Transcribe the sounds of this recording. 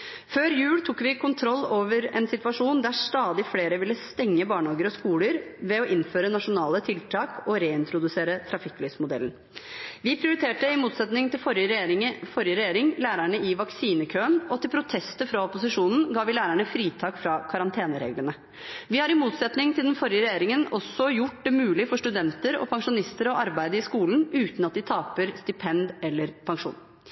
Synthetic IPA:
føːɾjʉːlt̪ʰukːʋɪkʰʊnt̪ʰɾɔlːoːʋəɾɛnsɪt̪ʋɑʂuːnd̪æʂt̪ɑːd̪ɪfleːɾəʋɪlːəst̪ɛŋːəbɑːɳɑːɡəɾɔskuːləɾʋɛɔʔɪnføːɾənɑʂʊnɑːlət̪ʰɪlt̪ʰɑːkɔɾeːɪnt̪ʰɾʊd̪ʉseːɾət̪ʰɾɑfɪkːlyːʋsmʊd̪ɛ̰ln | ʋɪpʰɾɪʊɾɪt̪ʰeːʈəɪmuːt̪sɛt̪nɪŋt̪ɪfɔɾjəɾfɔɾjəɾɛjeːɾɪŋlæːɾæɳəɪʋɑksiːnəkʰøːənɔt̪ɪlpʰɾʊt̪ʰɛst̪əfɾɑɔpʊsɪʂuːnn̩ɡɑːʋɪlæːɾæɳəfɾiːt̪ʰɑːkfɾɑːkʰɑɾɑnt̪ʰeːnəɾḛːɡlənə | ʋɪhɑɾɪmuːt̪sɛt̪nɪŋt̪ɪld̪ɛnfɔɾɪəɾɛjeːɾɪŋənɔsːɔjʊʈ̚ːd̪ɛmʉːlɪfɔʂʈʉd̪ɛnt̪əɾɔ̰pʰɑŋʂʊnɪst̪əɾɔʔɑɾbæɪd̪əɪskuːlnʉːt̪nɑt̪̚d̪ɪt̪ʰɑːpəɾst̪ɪpʰɛnd̪ɛlːəɾpʰɑŋʂṵːn

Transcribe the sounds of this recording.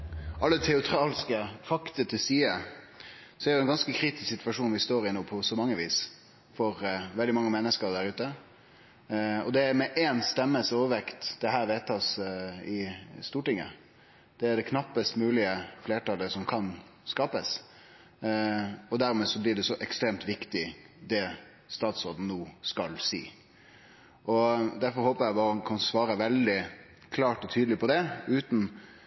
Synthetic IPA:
ʔɑlːət̪ʰɛʊt̪ʰɾɑːlskəfɑkt̪ət̪ʰɪlsiːə | sɔæɾjʊɛnɡɑnskəkʰɾiːt̪ɪ̥sksɪt̪ʋɑʂuːnʋɪst̪oːɾɪnoːpʰɔsɔmɑŋːəʋiːs | fɔɾʋɛld̪ɪmɑŋːəmɛnːəskəɾd̪æɾʉːt̪ə | ɔd̪ɛæɾmɛʔeːnst̪ɛmːəsoːʋəʋɛkt̪d̪̥ɛɦæːɾʋeːt̪ʰɑːsɪst̪uːʈɪŋːə̰ | d̪̥ɛæɖɛkʰnɑpːəst̪mʉːlɪəfleːʈɑləsɔmkʰɑnskɑːpəs | ɔd̪æɾmɛːsɔblɪɖɛsɔʔɛkst̪ɾeːmt̪ʋɪkt̪ɪd̪ɛ | st̪ɑːt̪sɔɾd̪n̩nːoːskɑlsḭː | ʔɔd̪æɾfɔɾhoːpəɾjæɪbɑːɾəkʰɑnsʋɑːɾəʋɛld̪ɪ | kʰlɑːʈɔt̪ʰyːd̪əlɪpʰɔd̪ɛʉːt̪n̩

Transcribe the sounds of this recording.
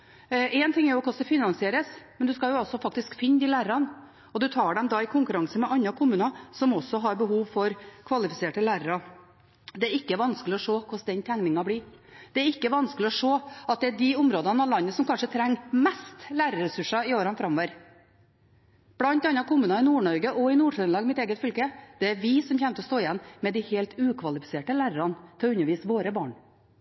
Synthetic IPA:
ʔɛːnt̪ʰɪŋːɛɾjʊɔkʊsd̪ɛfɪnɑnsɪeːɾəsmɛnd̪ʉskɑljʊɔsɔfɑk̚t̪ɪskfɪnːd̪ɪlæːɾəɾɑn | ɔd̪ʉt̪ʰɑːɖɛmd̪ɑːɪkʰʊŋkʉɾɑŋsəmɛʔɑnːɑkʰʊmʉːnɑsɔmɔsːɔɦɑɾbəɦuːʋfɔɾkʰʋɑlɪfɪseːʈəlæːɾəɾɑ | d̪ɛæɾɪkːəʋɑnskəlɪɔʂoːkʰʊsd̪ɛnt̪ʰæŋnɪŋɑblɪːɾd̪̥ɛæɾɪkːəʋɑnskəlɪɔʂoːɑt̪̚d̪ɛæɖɪʊmɾoːd̪ɑnɑʋlɑnːəsɔmkʰɑnʂət̪ʰɾæŋːmɛst̪læːɾəɾɛsʉʂɑɪoːɾɑnfɾɑmɔʋəɾ | b̥lɑnt̪ɑnːɑkʊmʉːnɑɪnuːɳɔɾɡəʔɔɪnuːʂœnlɑːɡmɪt̪eːɡət̪fʏlkəd̪̥ɛæɾʋɪsɔmçɛmt̪əɔst̪oːɪjɛnːmɛd̪ɪheːlt̪ʉːkʰʋɑlɪfɪ̥seːʈəlæːɾəɾɑnt̪ʰɪʉɲːəɾʋiːsʋoːɾəbɑːɳ

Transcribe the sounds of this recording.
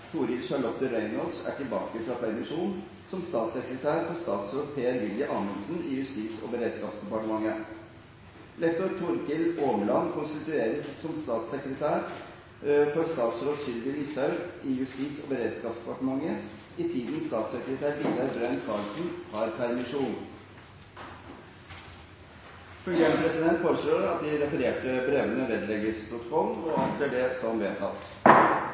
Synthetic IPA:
t̪ʰuːɾɪlʃɑɭɔt̪ːəɾœʏnɔd̪sæ̰ʈɪlbɑ̰ːkəfɾɑpʰæɾmɪʂuːn | sɔmst̪ɑːt̪səkɾət̪ʰæːɾfɔst̪ɑːt̪sɾoːd̪̚pʰeːæɾʋɪljəʔɑməlsn̩ɪjʉst̪iːt̪sɔ̰bəɾeːd̪skɑːpsd̪ɛpɑʈəmɑŋːə | lɛk̚t̪ʊɾt̪ʰʊɾkɪloːməlɑnkʰʊnst̪ɪt̪ʉeːɾəsːɔmst̪ɑːt̪səkɾət̪ʰæːɾ | fɔɾst̪ɑːt̪sɾoːd̪sʏlʋɪliːst̪ɑʉɾɪjʉst̪iːt̪sɔ̰ːbəɾeːd̪skɑːpsd̪ɛ̥pɑʈəmɑŋːə | ɪt̪ʰiːd̪nst̪ɑːt̪səkɾət̪ʰæːɾʋit̪ɑɾbɾœnkʰɑːlsn̩hɑɾpʰæɾmɪʂuːn | fʉŋɡeːɳəpʰɾɛsɪd̪ɛnt̪foːɾəsɭoːɾɑt̪̚d̪ɪɾɛfəɾeːʈəbɾeʋənəʋɛd̪lɛɡəspʰɾʊt̪ɔ̥kʰɔlɔɑnseːɖɛsɔmʋeːt̪ʰɑ̰ːlt̪

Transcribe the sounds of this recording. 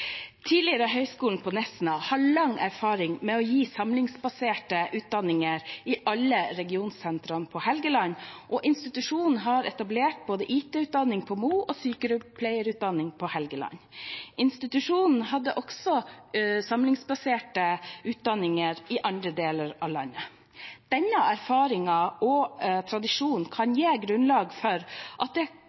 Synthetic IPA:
t̪ʰiːlɪəɾəɦœʏskuːln̩pʰɔnɛsnɑhɑɭɑŋæɾfɑːɾɪŋmɛɔjiːsɑmlɪŋsbɑseːʈəʔʉːt̪̚d̪ɑnɪŋəɾɪʔɑlːəɾɛɡɪuːnssɛnt̪ɾɑnpʰɔhɛlɡəlɑɲʔɔʔɪnst̪ɪt̪ʉʂuːnn̩ɦɑɾɛt̪ɑbleːʈ̚boːd̪əʔiːt̪ʰɛːʉːt̪̚d̪ɑnːɪŋpʰɔmuːʔɔsyːkəɾʉpʰlæɪəɾʉt̪̚d̪ɑnːɪŋpʰɔhɛlɡəlɑ̰nːʔɪnst̪ɪt̪ʉʂuːnn̩ɦɑd̪ːəʔɔksɔsɑmlɪŋsbɑseːʈəʉːt̪̚d̪ɑnɪŋəɾɪʔɑnd̪ɾəd̪eːləɾɑ̰ʋlɑ̰nːə | d̪̥ɛnːəæɾfɑːɾɪŋɑʔɔt̪ʰɾɑd̪ɪʂuːnn̩kʰɑnjeːɡɾʉnlɑːɡfɔɾʔɑt̪̚d̪ɛ

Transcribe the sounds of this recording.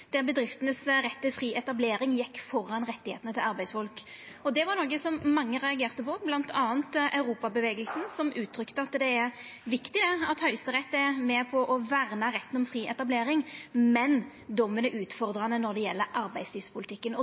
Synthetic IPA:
d̪̥ɛbəd̪ɾɪft̪ənəsɾɛt̪ːɪlfɾiːʔɛt̪ɑbleːɾɪŋjɛkːfɔɾːɑnʁɛt̪ːɪhḛːt̪ənət̪ʰɪlɑɾbæɪsfɔlk | ɔd̪ɛʋɑɾnɔːɡəsɔmːɑŋːəʁɛɑɡeːʁt̪əpɔblɑnt̪ʰɑːənt̪ʔɑʉɾuːpɑbəʋeːɡəlsn̩sɔmʔʉːt̪ʰːɾʏkt̪əɑt̪d̪ɛæɾʋɪkt̪ɪd̪ɛɑt̪hœʏst̪əʁɛt̪ːæmɛpʰɔʔɔʋæʁnɑɾɛt̪ːən̩ɔmfʁiːʔɛt̪ɑbleːɾɪŋmɛn | d̪ɔmːənɛʔʉːt̪fɔʁd̪ɾɑnənɔɾd̪ɛjɛlːəɾʔɑɾbæɪsliːʋspʊlɪt̪ʰɪkːənɔ

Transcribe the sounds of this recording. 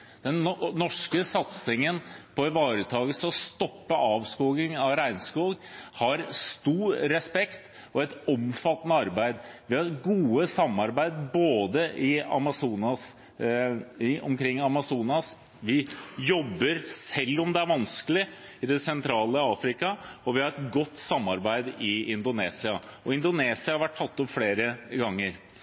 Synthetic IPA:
d̪̥ɛnnːɔʂkəsɑt̪sɪŋənpʰɔɪʋɑːɾət̪ʰɑːɡəsɔst̪ɔpːəʔɑːʋskuːɡɪŋɑʋɾæɪnskuːɡhɑɾst̪uːɾɾɛspɛkt̪ | ɔɛt̪ɔmfɑt̪ːənəɑɾbæɪd̪ʋɪhɑɾɡuːəsɑmːɑɾbæɪd̪boːd̪əʔɪɑ̰mɑsuːnɑs | ɪʔɔ̰mkʰɾɪŋːɑmɑsuːnɑs | ʋɪjɔbːəɾsɛlːɔmd̪ɛæɾʋɑnskəlɪɪd̪ɛsɛnt̪ʰɾɑːləɑːfɾɪkɑɔʋɪhɑɾɛt̪ɡɔt̪ːsɑmːɑɾbæɪd̪ɪɪnd̪ʊneːsɪɑɔɪnd̪ʊneːsɪɑhɑɾʋæʈʰːɑt̪ːɔpfɽeːɾəɡɑŋːəɾ

